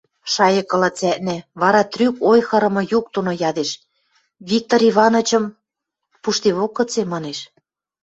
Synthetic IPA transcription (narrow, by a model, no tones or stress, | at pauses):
ʃɑjɤ̆kɤ̆lɑt͡sæʔ̪næβɑɾɑt̪rykojxɤ̆ɾɤ̆mɤ̆juk̚t̪unojɑd̪eʃ | βik̚t̪oɾiβɑnŏt͡ɕɤ̆m | puʃt̪eβokːɤ̆t͡semɑneʃ